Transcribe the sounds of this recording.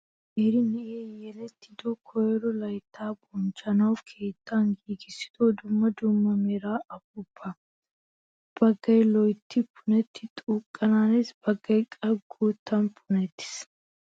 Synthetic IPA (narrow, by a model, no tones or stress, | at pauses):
ʔeɾɪnɛʔeːjɛlɛt̪ːɪd̪ɔkʰɔjɛɾɔlɐjt̪ʰːaːbɔnt͡ʃʼːɐnɐwkʰe̞ːt̪ʰːanɡiːɡɪsːɪ̥d̪ɔd̪ʊmːɐd̪ʊmːɐmɛɾaːɐbʊb̥ːɐ | b̥ɐɡːɐjlɔjt̪ːɪpʰʊnɛt̪ʰːɪt̪ʼukʼːɐnaːnɪsb̥ɐɡːɐjkʼɐɡuːt̪ːɐnpʰʊnɛt̪ːɪ̥s